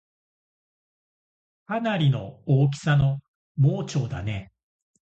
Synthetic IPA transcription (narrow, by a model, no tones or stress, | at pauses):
anaɾʲino̞̰oːk̬ʲi̥sano̞ | mo̞ːt͡ɕo̞ːd̪a̰ne̞